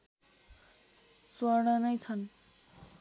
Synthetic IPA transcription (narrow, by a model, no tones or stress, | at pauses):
swʌɽʌnʌjt͡sʰʌn